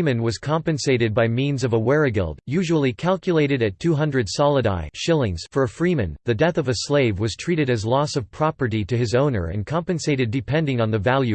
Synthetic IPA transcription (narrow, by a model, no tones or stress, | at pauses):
mɨ̃nwʌz̥kʰɑ̃mpɨ̃nseɪɾɨd̚baɪmĩnzʌvəwɛɹɨɡɪ̰lˠd̚jʉʒəl̩ˠikʰælˠkjɨleɪɾɨɾɨtʰʉɦʌ̃ndɹɨd̥sɑlˠəɾa̰ɪʃɪlˠɪ̃ŋz̥fə˞ɨfɹimɨ̰̃nðɨdɛθʌvɨsleɪvwʌz̥tʰɹ̥iɾɨɾɨzlɔsʌv̥pʰɹ̥ɑpə˞ɾiɾɨɨzõʊ̃nə̰˞ɨ̰̃nkʰɑ̃mpɨ̃nseɪɾɨdɨpʰɛ̃ndɪ̃ŋə̃nðɨvælˠjʉ